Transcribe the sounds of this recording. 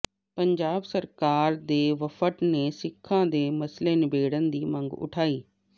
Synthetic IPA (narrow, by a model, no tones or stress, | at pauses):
pɐ̃ɲd͡ʑaːbsɐɾkaːɾd̪eːʋɐfəʈnẽsɪkʰːãd̪eːmɐsleːnɪbʱeːɽənɪ̆d̪iːmɐ̃ŋɡʊ̰ʈʰaːiː